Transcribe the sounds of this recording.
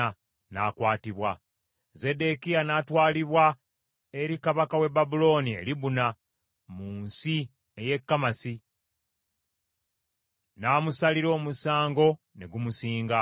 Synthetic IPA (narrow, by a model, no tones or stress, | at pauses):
a | na̰kwaːtiβwa | ze̞de̞kijanatwaːliβwa | e̞ɾikaβakawe̞babulo̞nie̞̰ɾiβuna | muːnsi | eje̞kːamasi | naːmusaliɾo̞ːmusaːŋɡo̞ | ne̞ɡumusiːŋɡa